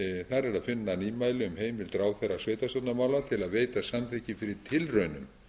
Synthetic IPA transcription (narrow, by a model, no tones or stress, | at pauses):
θaɾɛɾaðfɪnːaniːmaːjlɪʏmheːjmɪlt̪ɾaːwθerːasvejt̪ast̪œt̪namaːwlat̪ʰɪlaðveːjt̪asamθɛhcɪfɪɾɪt̪ʰɪlrœɥnʏm